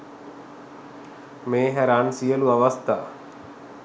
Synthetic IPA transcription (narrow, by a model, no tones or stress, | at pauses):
meːɦæɾansijəluaʋast̪aː